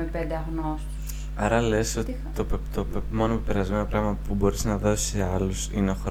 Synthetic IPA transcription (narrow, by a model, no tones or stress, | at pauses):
mepend̪eɐɣnos | ɐɾɐle̞so̞t̪it̪opt̪opmo̞nopepe̞ɾɐzme̞no̞pɾɐɣmɐpubo̞ɾiznɐðo̞si̥seɐlusineoxɾ